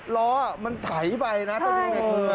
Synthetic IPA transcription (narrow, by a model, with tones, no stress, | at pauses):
lɔː˦˥ma˧nt̪ʰa˩˦jpa˧jna˦˥t̪ʰa˧˩ma˧ka˧ɤː˧